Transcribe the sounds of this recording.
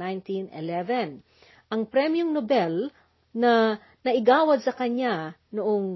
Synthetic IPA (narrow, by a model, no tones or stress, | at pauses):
ajnt̪inɪ̰lɛvɛn | ʔɐŋpɾɛmjʊŋnobɛl | nɐ | nɐʔɪɡaːwɐd̪̚sɐkɐɲanʊʔoŋ